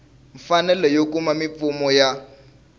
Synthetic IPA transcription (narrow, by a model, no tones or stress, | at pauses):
ɱfanɛlɛjokumamip̪fumɔja